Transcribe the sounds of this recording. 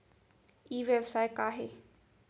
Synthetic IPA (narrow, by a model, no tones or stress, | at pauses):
iːʋebsaːjkaːɦeː